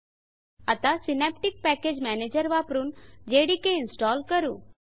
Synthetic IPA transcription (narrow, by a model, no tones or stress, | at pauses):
ət̪asɪnep̚ʈɪk̚pɛːkeːd͡ʒmɛːneːd͡ʒəɾʋaːpɾund͡ʒeːɽikeɪnsʈɔːlkəɾṵ̃ː